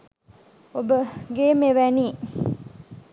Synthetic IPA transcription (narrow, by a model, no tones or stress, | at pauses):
obəɡeːmeʋæniː